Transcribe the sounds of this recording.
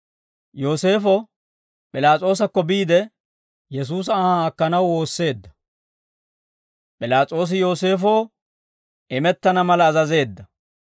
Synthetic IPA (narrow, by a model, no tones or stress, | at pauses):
jo̞ːse̞ːfɔ | pʼɪlaːt͡sʼo̞ːs̬ɐkːɔbiːd̪ɛ | jɛs̬uːs̬ɐːhaɐkːɐnɐwo̞ːsːe̞ːd̪ːɐ̥ | pʼɪlaːt͡sʼo̞ːs̬ɪjo̞ːse̞ːfoː | ɛmɛt̪ːɐnɐmɐlɐːzɐze̞ːd̪ːɐ